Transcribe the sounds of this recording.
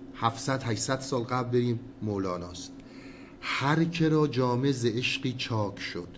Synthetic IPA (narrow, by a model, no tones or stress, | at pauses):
hæfsæd̪hæʃsæd̪sɒːlɡæblb̪eɾiːmːolɒːnɒːst̪ | hæɾcʰeɾɒːd͡ʒɒːmezeeʃɢiːt͡ʃʰɒːkʰʃod̪̥